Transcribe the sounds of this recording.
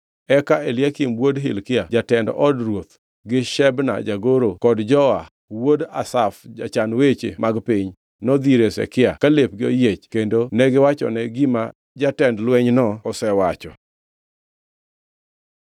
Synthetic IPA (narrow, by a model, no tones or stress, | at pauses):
ɛkaelɪakɪmwodɦɪlkɪad͡ʒatɛndʔɔdrwot̪ | ɡɪʃɛbna̰d͡ʒaɡoɾokɔdd͡ʒɔa | woda̰safd͡ʒa̰t͡ʃanwet͡ʃḛmʔaɡpiɲ | nɔd̪iɾesɛ̰kɪakalep̚ɡɪojet͡ʃkendonɛɡɪwat͡ʃɔ̰nɛɡɪma | d͡ʒatɛndlwɛɲnɔɔsɛwat͡ʃɔ̰